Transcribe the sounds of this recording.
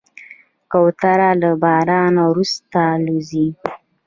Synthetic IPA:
kawt̪aɾalabɑɾɑnawɾust̪aluzi

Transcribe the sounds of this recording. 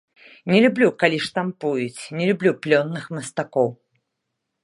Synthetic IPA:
nʲɛlʲublʲukalʲiʂt̪ampujut͡sʲnʲɛlʲublʲuplʲɔnːɨxmɐst̪akɔw

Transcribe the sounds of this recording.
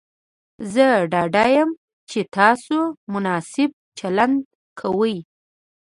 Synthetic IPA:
zəɖɑɖajəm | t͡ʃet̪ɑsomʊnɑsɪb̚t͡ʃaland̪ | kʰawəj

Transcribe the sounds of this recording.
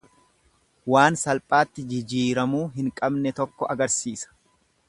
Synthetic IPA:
waːnsɐlpʼaːt̪ːɪd͡ʒɪd͡ʒiːɾɐmuːɦɪŋkʼɐbnɛt̪ɔkːɔʔɐɡɐɾsiːsɐ̥

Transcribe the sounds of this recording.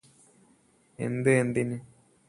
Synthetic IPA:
ḛnd̪ɨend̪inɨ

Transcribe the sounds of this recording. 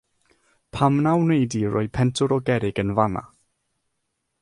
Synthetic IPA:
pʰamnawnejdirɔ̰ɨpʰɛntʰʊɾɔɡɛɾɪɡənvana̰

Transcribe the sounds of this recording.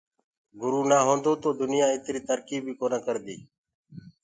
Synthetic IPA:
ɡʊɾuːnaːɦõːnd̪oːt̪oːd̪ʊnɪjãːɪt̪ɾiːt̪əɾkiːbʱiːkoːnaːkəɾd̪ḭː

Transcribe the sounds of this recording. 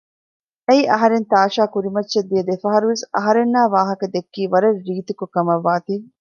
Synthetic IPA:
eiʔɐɦɐɾent̪aːʂaːkuɾimɐtːʃɐd̪ːijɐd̪efɐɦɐɾuʋesɐ̰ɦɐɾenːaːʋaːɦɐkɐd̪ekːiːʋɐɾɐɾːiːt̪ukukɐmɐʋːaːt̪iː

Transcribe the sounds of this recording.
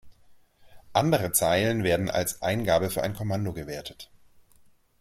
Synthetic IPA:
ʔandəʁət͡saɪlənveːɐdn̩ʔa̰lsʔaɪnɡaːbəfyːɐʔa̰ɪnkʰɔmandoɡəveːɐtʰə̥t

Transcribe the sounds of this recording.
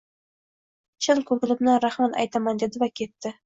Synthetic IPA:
t͡ʃʰɪlˠkʲʰɵkʲɪlɪbnɪnɾaχmat̪a̰jt̪amand̪ed̪ɪvakʲʰe̞t̪ːɪ

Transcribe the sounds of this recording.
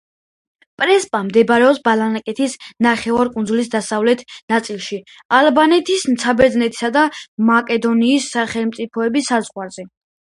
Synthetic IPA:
pʼɾɛspʼamd̪ɛbɾɛɔpsbalanakʼɛt̪ʰisnaχɛvaɾkʼund̪zulis̬d̪asavlɛt̪ʰnat̪sʼilˠʃi | albanɛt̪ʰisnt̪sʰabɛd̪znɛt̪ʰi̥sad̪amakʼɛd̪ɔniːsːaχɛlˠmt̪sʼipʰɔɛbisːazʁwaɾzɛ

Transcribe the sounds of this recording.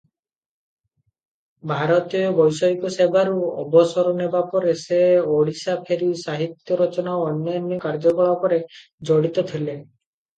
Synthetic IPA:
bʱaɾɔt̪iɔbɔjsɔikɔsebʱaɾuɔbɔsɔɾɔnebapɔɾeseoɽisapʰeɾisaɦit̪jɔɾɔt͡ʃɔnaɔnjɔnjɔkaɾd͡ʒɔkɔɭakɔɾe | d͡ʒɔɽit̪ɔt̪ʰile

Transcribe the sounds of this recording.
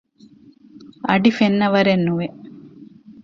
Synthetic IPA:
ɐɖifenːɐʋɐɾenːuʋe

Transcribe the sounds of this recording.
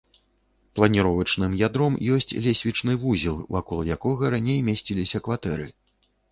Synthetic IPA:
plˠɐnʲiɾɔvɐt͡ʂnɨmjad̪ɾɔmjɔsʲt͡sʲlʲesʲvʲit͡ʂnɨvuzʲilˠvakɔlˠjakɔɣɐɾanʲejmʲesʲt͡sʲilʲisʲɐkvat̪ɛɾɨ

